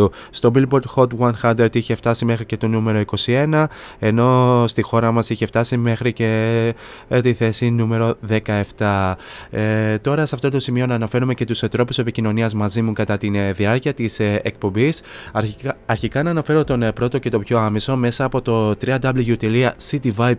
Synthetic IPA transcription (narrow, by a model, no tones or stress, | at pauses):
ust̪o̞bilboɾd̪xo̞t̪wɐnxɐnd̪ɾeɾd̪içe̞ft̪ɐsime̞xɾice̞t̪o̞nume̞ɾo̞iko̞sie̞nɐe̞no̞st̪ixo̞ɾɐmɐsiçe̞ft̪ɐsime̞xɾice̞ | t̪iθe̞sinume̞ɾo̞ðe̞kɐe̞ft̪ɐ | t̪o̞ɾɐsɐft̪o̞t̪o̞simio̞nɐːnɐfe̞ɾume̞ce̞t̪uset̪ɾo̞puse̞picino̞niɐzmɐzimukɐt̪ɐt̪inðiɐɾciɐt̪isek̚po̞mbis | ɐɾçikɐnɐːnɐfe̞ɾo̞t̪o̞npɾo̞t̪o̞ce̞t̪o̞pço̞ɐmiso̞me̞sɐːpo̞t̪o̞t̪ɾiɐd̪ɐbliʝut̪eliɐsit̪ivɐjp